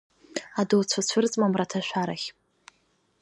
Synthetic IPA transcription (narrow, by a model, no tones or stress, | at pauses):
adowt͡sʷʰat͡ɕʷʰʊrt͡sʼmamratʰaʃʷᶣaɾaχʲ